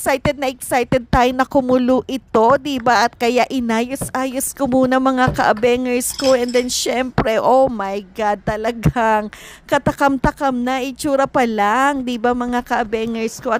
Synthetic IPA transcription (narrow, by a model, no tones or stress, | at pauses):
ksajt̪ɛd̪̚nɐʔɛksajt̪ɛd̪̚t̪aːjʊnɐkʊmʊlʊʔɪt̪o̞d̪ibaʔɐt̪̚kɐjaʔɪnaːjosʔaːjoskomuːnɐmɐŋakɐʔɐbɛŋɛɹsko̞ʔɛnd̪ɛnʃɛmpɾɛʔomɐjɡad̪̚t̪ɐlɐɡaŋkɐt̪ɐkɐmt̪ɐkɐmnɐʔɪt͡ʃuːɾɐpɐlaŋd̪ibamɐŋakɐʔɐbɛŋɛɹskoʔɐ